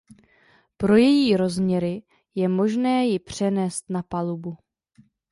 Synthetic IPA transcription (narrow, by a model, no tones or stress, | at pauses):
pɾo̞jɛjiːɾo̞zmɲɛɾɪ | jɛmo̞ʒnɛːjɪpr̝̥ɛnɛːst̪napalubu